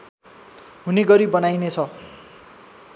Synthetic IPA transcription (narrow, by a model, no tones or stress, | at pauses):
ɦuneɡʌɾibʌnajnet͡sʰʌ